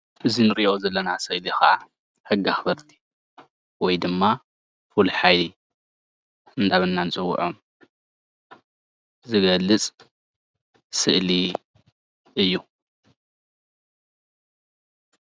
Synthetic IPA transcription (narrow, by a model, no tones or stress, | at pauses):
ʔɨzinɨɾiʔʔozɐlːɐnasɨʔlixɐ̰ʔa | ħɨɡaxɨfɐɾt̪ʰi̥ | wɔjd̪ɨmːa | fulħajli | ɨnd̪aβɨnːanɨt͡sʼɨwːṵʕom | zɨɡɐlːɨt͡sʼ | sɨʔli | ʔɨjːu